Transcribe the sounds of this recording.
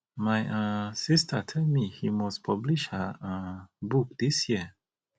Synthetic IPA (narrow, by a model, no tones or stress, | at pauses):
majasistətʰɛldmihimɔspʰʌbliʃhəəbuk̚d̥isjiə